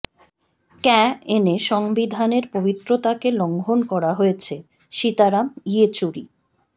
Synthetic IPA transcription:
kɛeneʃɔŋbid̪ʱaneɾpobit̪ːɾot̪akeloŋɡʱonkɔɾaɦoet͡ɕʰe | ʃit̪aɾamiet͡ɕuɾḭ

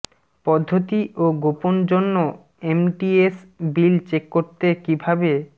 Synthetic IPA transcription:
pɔd̪ʱːot̪iʔoɡopond͡ʑonːo | emʈiesbilt͡ɕekːoɾt̪ekibʱabe

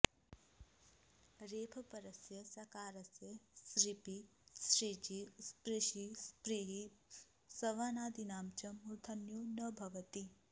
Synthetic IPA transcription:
ɾeːpʰɐpɐɾɐsjɐsɐkaːɾɐsjɐsɾipisɾid͡ʒispɾiʃispɾiɦi | sɐʋaːnaːd̪inaːmt͡ʃɐmuɾt̪ʰɐnjoːnɐbʱɐʋɐt̪i

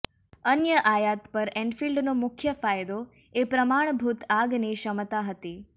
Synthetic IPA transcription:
ənjəʔajat̪pəɾɛ̃ɳɖfilɖnomʊkʰjəfajd̪o | epɾəmaɳ̃bʱut̪aɡneʃəmt̪aɦət̪i

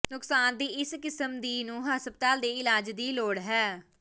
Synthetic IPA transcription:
nʊksaːnd̪iːɪskɪsəmd̪iːnũːɦəspət̪aːd̪eːɪlaːd͡ʒd̪iːloːɽɦɛː

